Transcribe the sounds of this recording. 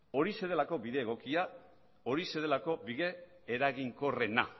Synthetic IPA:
o̞ɾise̞ðe̞lako̞biðe̞ːɣ̞o̞kia | o̞ɾise̞ðelako̞biɣe̞ː | ɾaɣiŋko̞re̞na

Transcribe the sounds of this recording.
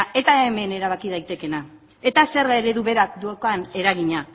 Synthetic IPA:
e̞t̪aeme̞ne̞ɾaβ̞akiðajt̪e̞ke̞na | e̞t̪ase̞ɾeɾe̞ðuβe̞ɾakd̪uokoane̞ɾaɣ̞iɲa

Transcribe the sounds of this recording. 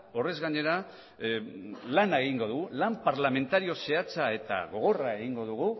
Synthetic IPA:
o̞re̞zɣaɲe̞ɾa | lanaeɣ̞iŋɡo̞ðuɣulampaɾlame̞nt̪aɾio̞se̞at͡sae̞t̪a̰ɣ̞o̞ɣ̞o̞rae̞ɣiŋɡo̞ð̞uɣ̞u

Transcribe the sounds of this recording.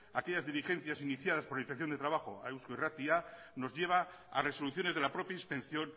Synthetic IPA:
ake̞ʎazðiɾixẽ̞n̟θjasiniθjað̞aspoɾlaiɱfekθjone̞t̪ɾaβaxo̞a̰ewskoirat̪ia | no̞zʝe̞β̞a | a̰re̞so̞luθjo̞neðe̞lapɾo̞pjaispẽ̞nθjo̞n

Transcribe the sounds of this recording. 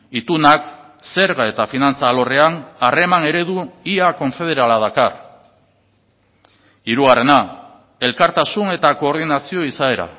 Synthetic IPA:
it̪unak | se̞ɾɣae̞t̪afinant͡saːlo̞re̞anare̞mane̞ɾe̞ðuiako̞nfeð̞e̞ɾalað̞akar | iɾuɣare̞na | e̞lkaɾt̪asune̞t̪ako̞ːɾð̞inasio̞isae̞ɾa̰

